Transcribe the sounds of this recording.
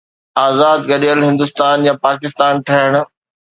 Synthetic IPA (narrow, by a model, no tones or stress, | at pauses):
aːzaːd̪ɡɐɗijəlɦɪ̃nd̪ʊst̪aːnjãpaːkɪst̪aːnʈʰɐɦəɽ̃ʊ